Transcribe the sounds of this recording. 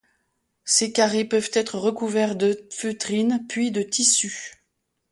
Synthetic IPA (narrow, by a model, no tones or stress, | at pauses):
sekaʁepœvt̪ɛt̪χəʁəkuvɛʁd̪əføt̪χinpɥid̪ət̪isy